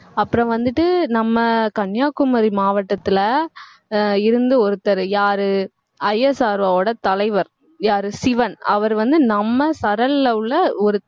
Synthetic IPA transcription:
ɐpːɯɾɐ̃ʋɐnd̪ɯʈːɯnɐmːɐkɐɳjaːkʊmɐɾimaːʋɐʈːɐt̪ːɪlɐ | ɪɾɯnd̪ɯɔɾɯt̪ːɐɾɯjaːɾɯ | ɐjːɐsaːɾʋaoːɽɐt̪ɐlɐɪʋɐɾ | jaːɾɯsɪʋɐnɐ̰ʋɐɾʋɐnd̪ɯnɐmːɐsɐɾɐlːɐɯɭːɐɔɾɯ

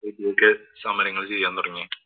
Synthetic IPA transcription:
ekːiokːesaːmɐɾjɐŋːɐɭt͡ɕe̞jːaːnt̪urɐŋːi

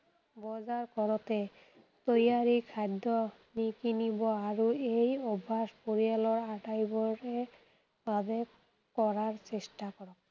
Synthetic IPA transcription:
bɔzaɹkɔɹɔtɛ | t̪ojaɹikʰajdɔ | nikinibɔaɹuejɔbʱaspoɹialɔɹaʈajbɔɹɛ | babɛ | kɔɹaɹsestakɔɹɔk̚

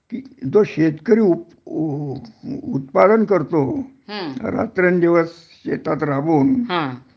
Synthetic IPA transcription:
kid͡zoɕet̪kəɾiːu | ut̪pad̪ənkəɾt̪oɦɾa̰t̪ɾənd̪iʋəs | ɕḛt̪at̪ɾabuːnɦa

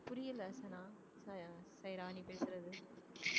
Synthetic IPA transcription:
pʊɾɪjɐlɐsɐnaː | ssɐjɾaːnipeːsɪɾɐðɯ

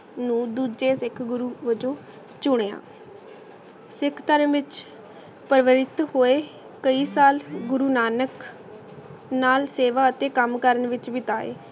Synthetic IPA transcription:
nũːd̪uːd͡ʒeːsɪkʰɡʊɾuːʋəd͡ʒõː | t͡ʃʊɳeːa̰ː | sɪkʰt̪əɾənʋɪt͡ʃ | pəɾʋəɾɪt̪hoːeː | kəiːsaːlɡʊɾuːnaːnək | naːlseːʋaːət̪eːkəmkəɾəɳʋɪt͡ʃʋɪt̪aːḛː

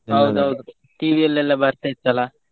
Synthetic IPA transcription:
ɦɐwd̪uɦɐwd̪u | ʈiːʋiɛlːɛlːɐbɐɾt̪ait̪ːɐla

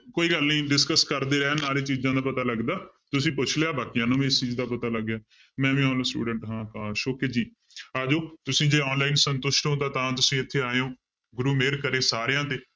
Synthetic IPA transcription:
koːiːɡəlnĩːɖɪskəskəɾd̪eːɾɛːnaːɾeːt͡ʃiːzãːd̪aːpət̪aːləɡd̪aː | t̪ʊsĩːpʊt͡ʃʰleːaːbaːkijãːnũːĩɪst͡ʃiːd͡ʒd̪aːpət̪aːləɡjaː | mɛ̃ːʋĩːaːnãːsʈṵːɖəɳʈɦãːkaːɾʃoːkeːd͡ʒiː | aːd͡ʒoːt̪ʊsĩːd͡ʒeːɔːnlaːɪnsənt̪ʊʃʈɦõːt̪aːt̪ãːt̪ʊsĩːɪt̪ʰːeːaːeõː | ɡʊɾuːmeːɾkəɾeːsaːɾejãːt̪eː

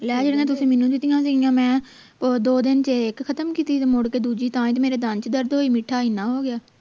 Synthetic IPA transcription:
lɛːd͡ʒəɽãːt̪̬ʊsĩːmɪːnũːd̪ɪt̪ijãːsĩːŋãːmɛ̃ː | pod̪oːd̪ɪnt͡ʃeeːkxʰət̪əmkiːt̪iːmʊɽkeːd̪uːd͡ʒiːt̪ãːĩt̪ːmeːɾeːd̪ənt͡ʃd̪əɾd̪ɦoːiːmɪʈʰːaːinãːɦoːɡɪjaː

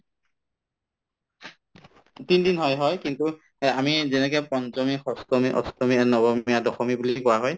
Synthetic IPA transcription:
tindinɦɔjɦɔjkintu | amizɛnɛk̬ɛpɔnzɔmixɔstɔmiʔɔ̰stɔmiaɹnɔbɔmiadɔxɔmibulikɔwaɦɔj

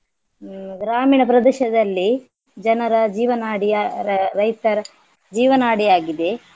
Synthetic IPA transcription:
ɡɾaːmiːɳɐpɾɐd̪ɛʃɐd̪ɐlːi | d͡ʒɐnɐɾɐd͡ʒiːʋɐnaːɽijɐɾɐjt̪ɐɾɐ | d͡ʒiːʋɐnaːɽijaːɡid̪e̞

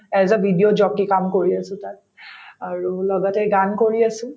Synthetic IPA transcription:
ɛzabʱidijod͡ʒɔkikamkoɹiasʊ̃ta | aɹulɔɡɔtɛɡankoɹiasʊ̃

